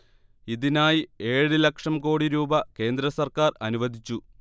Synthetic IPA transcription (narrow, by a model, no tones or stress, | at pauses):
iðinaːjie̞ːɻɨlɐkʂɐmko̞ːɽiɾuːbɐke̞ːnd̪ɾɐsɐrkaːrɐnuʋɐd̪ʱit͡ɕːu